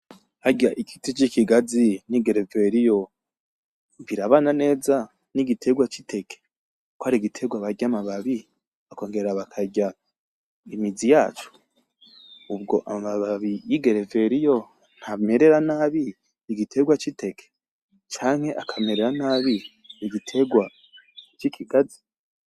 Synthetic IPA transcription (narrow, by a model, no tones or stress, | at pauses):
haɟaʔikitit͡ʃikiɡaziniɡeɾeve̞ɾijo̞ | βiɾaβanane̞ːza | niɡitʰe̞ɡwat͡ʃitʰe̞kʰe | koaɾiɡitʰe̞ɡwaβaɟamaβaβi | ako̞ːŋɡe̞ɾaβakʰaɟa | imizijaːt͡ʃu̥ | ubɡo̞ʔamaβaβaβijiɡe̞ɾe̞ve̞ɾijo̞ | n̥hame̞ɾe̞ɾanaːβi | niɡitʰe̞ɡwat͡ʃite̞kʰe̥ | t͡ʃaːŋ̥he̞ʔakʰame̞ɾe̞ɾanaβi | iɡitʰe̞ɡwa | t͡ʃikʰiɡazi̥